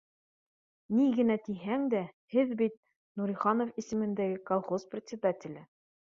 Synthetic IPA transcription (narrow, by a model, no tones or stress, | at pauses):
niɡɘ̆næt̪iɦæŋd̪æhɘðbit̪̚ | nuɾiχɑnŏfisɘ̆mɘ̆nd̪æɡɘkolˠχosprʲɪt̪sʲɪd̪atʲɪ̆lʲɘ